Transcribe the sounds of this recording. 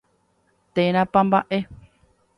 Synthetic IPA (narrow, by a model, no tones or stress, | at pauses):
t̪eɾ̃ãpãmbaʔe